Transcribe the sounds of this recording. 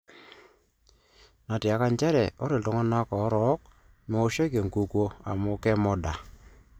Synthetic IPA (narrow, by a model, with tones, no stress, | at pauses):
na˨ti˨a˨˦ka˦ɲt͡ʃɛ˦ɾɛ˨ɔ˦ɾe˨ltɔ˦ŋɔ˦na˦kɔ˨˦ɾɔ˨˦k̚ | me˦o˦ʃɔ˦ke˨ŋku˨kwo˦a̰˨mo˦kɛ˦mɔ˦da˨